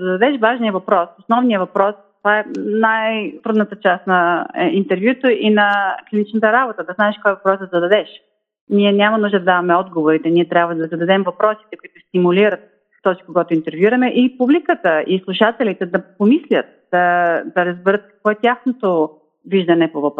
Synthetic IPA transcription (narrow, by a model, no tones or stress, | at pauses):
zɐd̪ɐd̪ɛʃvaʒnijəvɐpɾɔsosnɔvnijəvɐpɾɔst̪ovaɛnajt̪ɾud̪nət̪ət͡ʃast̪nɐint̪ɛɾvjut̪əʔinɐklinit͡ʃnət̪əɾabot̪əd̪ɐznaɛʃkɔjvɐpɾɔjsd̪zɐd̪ɐd̪ɛʃ | niɛnʲamɐnuʒd̪əd̪ɐd̪avɐmɛɔd̪ɡovoɾit̪ɛniɛt̪ɾʲabvəd̪ɐzɐd̪ɐd̪ɛmvɐpɾɔsi̥t̪ɛkoit̪ʊst̪imuliɾət̪̚ | t̪ɔsi̥koɡɔt̪ʊint̪ɛɾvjuɾɐmɛʔipublikət̪əislˠuʃat̪ɛlit̪ɛd̪ɐpomislʲət̪̚d̪̥ɐd̪ɐɾəzbɛɾət̪̚kɐ̥kvɔɛt̪ʲjaxnot̪o | viʒd̪ɐnɛpovɐp